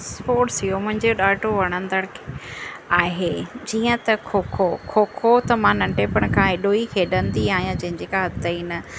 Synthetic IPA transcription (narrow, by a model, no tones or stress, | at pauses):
sspoːʈsɦijomʊ̃ɦɪ̃ɲd͡ʑoɗaːʈoʋɐɽ̃ə̃nd̪əɽ̃kʰeaːɦeːd͡ʑiːə̃t̪ɐkʰoːkʰokʰoːkʰot̪ɐmãnɐ̃ɳʈeːpəɽ̃kʰãːɦɪɗoːikʰeːɗə̃nd̪iaːɦijãd͡ʑɐ̃ɦɪ̃ɲd͡ʑeːkaɦɐt̪əinɐ